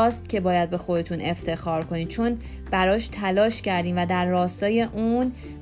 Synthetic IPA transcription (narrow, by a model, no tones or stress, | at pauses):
ɒːst̪cʲʰe̞bɒːjæd̪̚be̞xo̞d̪e̞t̪ʰunʔe̞ft̪ʰe̞xɒːɾkʰo̞niːd̪̚t͡ʃʰo̞n | b̥æɾɒːʃt̪ʰælɒːʃcæɾd̪iːmvæd̪æɾːɒːst̪ɒːje̞ʔun